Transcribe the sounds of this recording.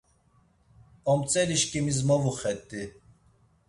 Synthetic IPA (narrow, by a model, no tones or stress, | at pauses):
ɔmt͡sʼɛliʃkʼimizmɔvuχɛt̪ʼːi